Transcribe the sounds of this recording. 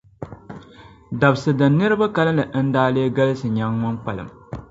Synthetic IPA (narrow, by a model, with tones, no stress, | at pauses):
da˨bsɨ˨dɨ˨n˦nːɨ˦ɾɨ˦ba˦ka˦lɨ˦lɨ˨n̩˦daː˦leː˦ɡa˦lɨ˦sɨ˨ɲa˦ŋːʊ˦nk͡pa˨lɨ̰˨m